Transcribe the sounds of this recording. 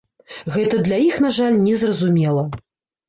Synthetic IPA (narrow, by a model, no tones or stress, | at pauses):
ɣɛt̪ɐd̪lʲajixnaʐalʲnʲɛzrɐzumʲɛlˠɐ